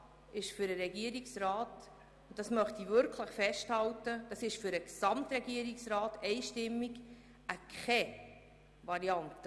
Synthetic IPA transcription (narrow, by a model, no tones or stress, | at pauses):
ɪʃfʏɾəɾɛɡiəɾiksrɑːt | ʊnt̚d̥ɑsmœχtivʏɾkʰləχfɛʃthɑltəd̥ɑsɪʃfʏɾəksɑmtrɛɡiəɾiksrɑːtɛɪʃtɪmːiɡ | ʔəkχɛ | vɑɾiɑnt